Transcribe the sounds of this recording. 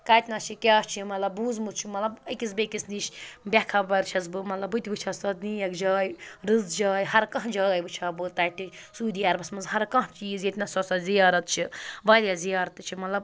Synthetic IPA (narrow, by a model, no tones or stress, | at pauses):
kaːt̪ʲnɐt͡ʃʰikʲaːst͡ʃʰimɐt̪lɐbːuːzmut̪t͡ʃʰimɐt̪lɐbɐkʲis̬bɐkisd̪iʃbʲekʰɐbɐɾt͡ʃʰɐsbɨmɐt̪lɐbɨt̪ʲibɨt͡ʃʰɐsɐt̪niːjɐkd͡ʒaːjɾɨzd͡ʒaːjɦɐɾkɐ̃ɦd͡ʒaːjbɨt͡ʃʰaːbɨt̪ɐːʈʰi | suːd̪ijaːɾbɐsmɐnzɦɐɾkɐ̃ɦt͡ʃiːzjet̪ʲnɐsɔsɐzijaːɾɐt̪̚t͡ʃʰiʋaːlʲjazijaːɾɐt̪ːɨt͡ʃʰimɐt̪lɐb